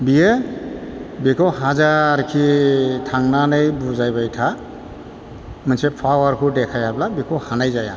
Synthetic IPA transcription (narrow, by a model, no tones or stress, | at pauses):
bije | bikʰɔɦazaɾkʰitʰaŋnanajbuzajbajtʰa | mansepʰawaɾkʰudɛkʰajablabikʰɔwhanajzaja̰